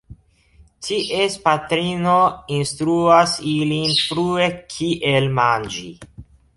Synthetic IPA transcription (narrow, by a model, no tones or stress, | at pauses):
tʰiʔespatɾino̞instɾuasilinfɾue̞kʰiʔelmand͡ʒḭ